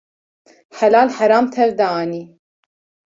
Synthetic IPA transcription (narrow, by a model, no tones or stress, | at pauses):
ħalaːlħaɾɑːmt̪ʰɛvd̪aɑːniː